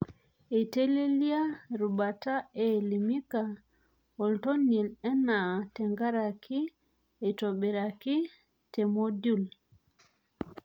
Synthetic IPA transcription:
e˨te˦le˦li˦a˦ɾu˨ba˨ta˦e˨li˨mi˦ka˨ | o˨lto˦ni˨lɛ˦na˨tɛ˨ŋɡa˦ɾa˨kʰi˦ | e˨to˨be˨ɾa˨ki˦ | te˨mo˦du˦˨l

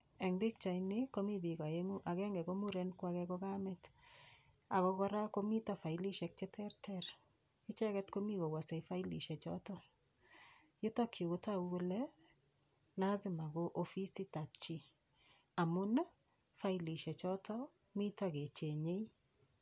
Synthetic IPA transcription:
ɛ˨ŋbɪ˦k̚t͡ʃa˨jnɪ˦ko˦mi˦bi˨ɡa˨e˦ŋu˦ʔa˨ɡɛ˦ŋɡɛ˨ko˦mu˦ɾe˦nkwa˦kɛ˦kɔ˦ɡa˦mɛt | a˨kɔ˦kɔ˦ɾa˦ko˦mi˦ta˨fa˨jli˦ʃɛ˨k̚t͡ʃɛ˦tɛ˦rtʰɛr | ɪ˦t͡ʃɛ˦kɛ˦tko˦mi˦ɡo˨wɔ˨se˨fa˦i˦lḭ˨ʃɛ˨t͡ʃɔ̰tɔ˦ | jɪ˦tɔ˦kʰi˨ʊ˨ta˦wo˦lɛ˦ | la˦zɪ˨ma˨ɡo˦ʔofi˦si˦ta˨pt͡ʃi˨ | a˨mʊ˦n | fa˦jli˨ʃɛ˨t͡ʃɔ˦tɔ˦ | mi˦tɔɡe˨t͡ʃe˨ɲe˦i˦

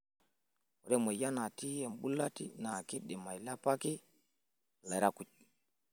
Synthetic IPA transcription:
ɔ˨ɾɛ˦mo˨ja˦na˨ti˦jɛ˨mbu˦lːa˦tḭ˦na˨ki˦ɗɛ˨ma˨jla˦pa˦ki˦ | la˨ɾa˦˨ku˨t͡ʃ̚

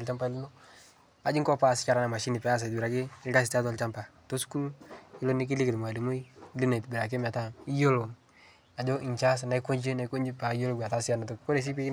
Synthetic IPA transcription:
a˨lt͡ʃa˦mpa˦i˦lu˦no˦ | a˨d͡ʒi˦ŋ˦kɔ˦pa˦˨si̥˨˦t͡ʃa˨ɾa˦na˨ma˨ʃi˦ni˨pɛ˨a˦s̬a˨tbi˨ɾa˨kɪ˦a˦si˨ta˦ta˨lt͡ʃa˦mpa˨to˦su̥˦ku˦lu˦i˦lo˦ni˦k̬i˦li˦kɪ˨mo˨a˨li˨mo˦i˦li˦na˨tbi˨ɾa˨k̬i˦ma˨ta˦i˦jo˦lo˨ | a˨d͡ʒo˦i˨ɲt͡ʃa˦s̬a˨na˨i˦ko˦ɲd͡ʒe˦na˨i˦ko˦ɲd͡ʒi˦pa˨˦jo˦lo˦ɡʷa˨ta˦sa˦˨na˨to˨ko˦ɾe˨s̬i˦pi˦

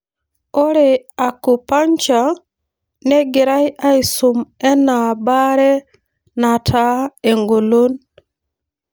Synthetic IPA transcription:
o˦ɾe˨a˨ku˨pa˦ɲt͡ʃa˨ | nɛ˦ɡɪ˨ɾa˦ja˦i˨su˨mɛ˦na˨ba˦ɾɛ˦ | na˨tʰa˦e˨ŋɡo˨lo˦n

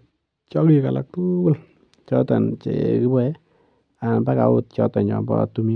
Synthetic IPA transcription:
t͡ʃɔ˦ki˨ka˨la̰˨k̚tu˦bʊ˦l | t͡ʃɔ˦ta˨nt͡ʃḛ˨ki˦bɛ˦ | a˨nba˦ka̰˨wʊ˦t̚t͡ʃɔ˦ta˨nt͡ʃɔ̰˨mbɔ̰˦tu˦mi˦

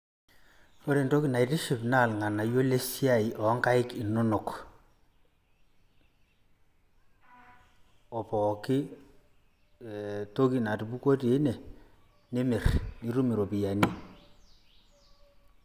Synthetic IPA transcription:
o˦ɾe˨nto˦ki˨na˨i˨tɪ˦ʃɪ˨pna˦˨lŋa˨na˨jo˦le˦si˦a˦˨i˨ʔɔ˨˦ŋka˦ɪ˦kɪ˨nʊ˦nʊ˨k | ɔ˨pɔ˨kɪ˦ | to˦ki˨na˨ti˨bu˦ko˦te˨˦nɛ˨ | ne˦mɪ˨rni˦ɾu˦mɪ˨ɾo˨pi˨ja˨ni˦

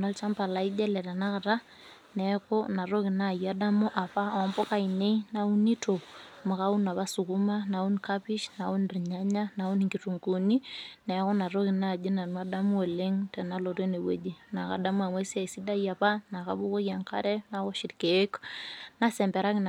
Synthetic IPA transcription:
na˦lt͡ʃa˦mpa˨la˨i˦d͡ʒɛ˦lɛ˨ta˨na˦ka˨ta˦ | nɛ˨ko˦na˨ɾo˦ki˨na˦˨ja˦da˦mu˦ʔa˨pa˦˨ɔ˦mbo˦ka˦i˨ne˦ina˨u˦ni˦to˨mo˨ka˦u˦na˨βa˦su˨ku˦ma˦na˨u˦nka˦pi˦ʃna˨u˦nri˨ɲa˦ɲa˦na˨u˦ni˨ŋɡi˨tu˨ŋkuni˦nɛ˨ko˦na˨ɾo˦ki˨na˦˨d͡ʒi˦na˨nma˦da˦mu˦e˨le˦ŋtɛ˨na˦lo˨ɾe˦ne˨wḛ˨d͡ʒi˦na˨ka̰˨da˦mu˦a˨mwe˦sa˨si˦da˦ja˨pa˦na˨ka˦bu˦ko˦ja˨ŋka̰˦ɾɛ˦na˨ko˦ʃi˨tke˨˦kna˦sɛ˨mbɛ˨ɾa˦ki˦n

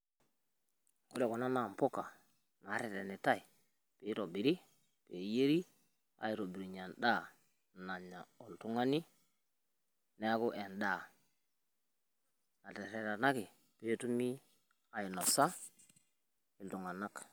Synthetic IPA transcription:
ṵ˦le˨kɔ˨na˦na˨mpo˦ka˨ | na˨˦ɾɛ˨tɛ˨ne˨ta˦i˨ | pe˨˦ɾo˨bi˨ɾi˦ | pe˨˦je˦ɾi˦ | a̰˨i˨ɾo˨bi˨ɾi˨ɲa˨nɗa˦˨ | na˨ɲa˨o˨ltu˦ŋa˦ni˦ | ne˦a˦ku˦ʔe˨nda˦˨ | na˨tɛ˨ɾɛ˨ɾa˨na˦ki˨ | pe˦tu˦mi˦ | a˨ji˨nɔ˨sa˦ | ɪ˨ltu˨ŋa˨na˦k

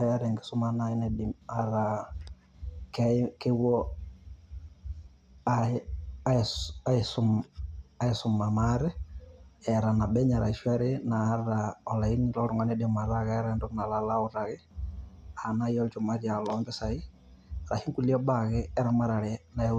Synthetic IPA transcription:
a˨jaɾɛ˨ŋɡɪ˨sʊ˦ma˦nai˦nɛdɪmaɾa | kɛke˦wɔ˦ | aa˦a˦sʊma˦ɪsʊma˨maɾɛ˦ | ɛɾa˨na˨bɛ˦ɲa˨ɾa˨ʃwɛ˦ɾɪnaː˨˦ɾaɔ˨la˨i˦nlɔ˦ɾʊ˨ŋɡɔ˦nɛdɪma˨ɾaɣɛɾɛndʊ˦kna˨lalaʊɾa˨ɣɪ˦ | a˨na˦jɔ˦lt͡ʃʊ˨ma˦ɾja˨lɔmbɛ˦sa˨ɪ˦ | ɾa˨hi˦ŋku˦li˦ɔ˦baɣɛɛ˦ɾama˦ɾa˨ɾɛna˨a˦

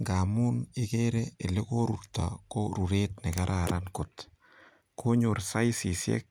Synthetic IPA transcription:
ŋɡa˨mʊ˦nɪ˦ke˦ɾee˨lɪko˦ɾurt̪a̰˨ko˦ɾu˨ɾet̪nɪkaɾʔaɾʔankʊt̪ | kʰoɲʊrsa˦jsi˨sjɛ̰˦k̚

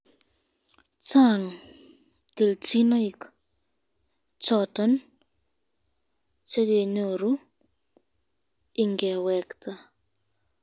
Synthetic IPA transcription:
t͡ʃa˦˨ŋ | ke˨lt͡ʃi˦nɔ˦i˨k | t͡ʃɔ˨tɔ˦n | t͡ʃa˦ɡe˨ɲo˨ɾu˦ | ɪ˨ŋɡɛ˨wɛ˨kta˦

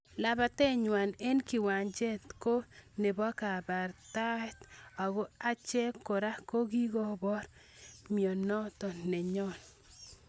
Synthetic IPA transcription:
la˦ba˦te˦ɲwa˨ne˦nki˨wa˨ɲd͡ʒe˦t̪ko˦ne˨bɔ˦ka˨ba˨ɾta˦ɛ˦t̪a˨ɡo˦a˦t͡ʃɛ˦kːo˨ɾa˦ko˦ɡi˦ɡo˦bɔ˦ɾ | mjɔ˨nɔ˦t̪ɔ˨ne˨ɲɔ˦˨n

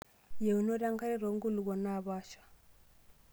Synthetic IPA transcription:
je˨u˨no˦ɾa˦ŋka˦ɾi˦ɾo˨ŋ˦ɡu˦lu˨ɣɔ˨na˦˨βa˦ʃḁ˨

